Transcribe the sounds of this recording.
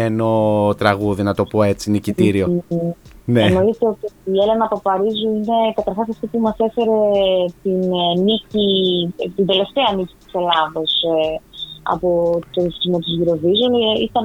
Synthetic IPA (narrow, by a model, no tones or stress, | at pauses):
eno̞t̪ɾɐɣuðinɐt̪o̞po̞e̞t͡sinicit̪iɾio | neno̞it̪eot̪iele̞nɐpopɐɾizuine̞kɐt̪ɐɾxɐs̬ɐft̪ipumɐse̞fe̞ɾe̞t̪innicit̪ind̪e̞le̞ft̪e̞ɐnici̥t̪i̥se̞lɐðo̞s | ɐ̰pot̪oɾisizmo̞t̪izʝiɾo̞vizonit̪ɐn